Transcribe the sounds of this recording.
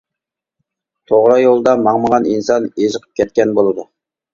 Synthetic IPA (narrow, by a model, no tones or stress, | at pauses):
t̪ʰoʁɾɑjolˠd̪ɑmɑŋməʁɑninsɑnezɨqʰə̥p̚kʲʰɛt̪̚kʲɛnbolˠɨd̪u